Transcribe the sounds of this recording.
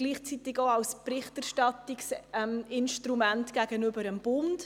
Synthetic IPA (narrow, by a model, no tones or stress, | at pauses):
ɡ̥liːχt͡sit̪ɪɡoɑwspɾɪχtæɾʃtɑtiksɛmɪnʃtɾumæntɡ̥æɡənʏbəɾəmb̥ʊnd